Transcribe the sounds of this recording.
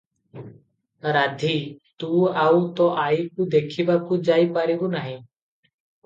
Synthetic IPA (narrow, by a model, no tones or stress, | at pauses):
ɾad̪ʱit̪uawt̪ɔʔajkud̪ekʰibakud͡ʒajpaɾibɔnaɦĩ